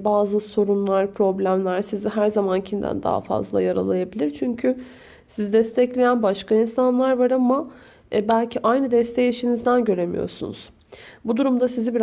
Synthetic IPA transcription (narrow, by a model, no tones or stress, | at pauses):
baːzɯso̞ɾunlˠaɾpɾo̞blʲæmlʲæɾsiziɦæɾzamancʰimd̪æ̰nd̪a̰ɦa̰fa̰zlˠa̰jaɾa̰lˠajabilʲiɾt͡ʃʰyɲcʰy | sizd̪ɛst̪ʰɛclʲejænbaʃkʰainsanlˠaɾvaɾama | ɛbælʲcʰiʔajnɯd̪ɛst̪ʰejiʃinizd̪ænɟø̞ɾe̞mijo̰sṵnṵz̥ | bud̪uɾumd̪asizibiɾ